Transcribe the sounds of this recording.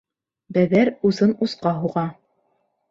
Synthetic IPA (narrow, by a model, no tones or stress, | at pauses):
bæðæɾuzɤnusqɑɦuʁɑ